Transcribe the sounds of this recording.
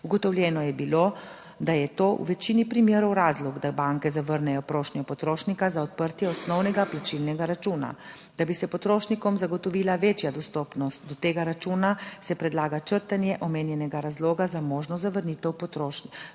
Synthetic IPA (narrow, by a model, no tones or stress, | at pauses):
uɡɔt̪ɔwljɛːnɔjɛbiloː | d̪ajɛt̪oːṵʋɛt͡ʃiːnipɾimjeːɾɔwɾaːzlɔɡd̪abaŋkɛzaʋəɾnɛjɔpɾoːʃnʲjɔpɔt̪ɾoːʃnikazaɔt̪̚pəɾt̪jɛɔsnɔwnɛɡaplat͡ʃilnɛɡaɾat͡ʃuːna̰ | d̪̥abisɛpɔt̪ɾoːʃnikɔmzaɡɔt̪ɔʋilaʋeːt͡ʃjad̪ɔst̪ɔːpnɔst̪̚d̪ɔt̪eːɡaɾat͡ʃuːnasɛpɾɛd̪laːɡat͡ʃəɾt̪anjɛʔɔmeːnjɛnɛɡaɾazloːɡazamoːʒnɔzaʋəɾnit̪ɛwpɔt̪ɾoːʃnik